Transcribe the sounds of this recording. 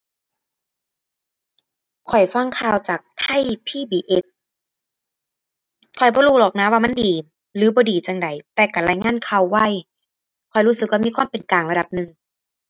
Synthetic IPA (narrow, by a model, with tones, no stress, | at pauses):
kʰɔ˨˩jfa˧˥˨ŋkʰaː˧˩˨wt͡ɕaː˨˩k̚t̪ʰa˧˥˨jpʰiː˧˥˨biː˨˩˨ʔe˦˧˥t̚ | kʰɔ˨˩jbɔː˧˦ɾuː˧˩lɔː˨˩k̚naː˧˥˦waː˧ma˧˥˨ndiː˨˩ | lɯː˨˦bɔː˧˦diː˨˩t͡ɕa˨˧˩ŋda˨˩jt̪ɛː˨˧˩ka˧˩laː˧˩jŋaː˧˥˨nkʰa˧˩wːa˧˩j | kʰɔ˨˩jhuː˧˥˩sɯ˧k̚wa˧˨miː˧˥˨kʰa˧˥˨mpe˨˩nkaː˨˩ŋla˧da˨˩p̚nɯ˨˧ŋ